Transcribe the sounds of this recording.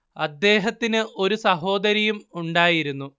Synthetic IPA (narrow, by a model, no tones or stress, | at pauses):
ɐd̪ːe̞ːɦɐt̪ːinɨʔo̞ɾusɐɦo̞ːd̪ɐɾɐjumuɳɖaːjiɾunːu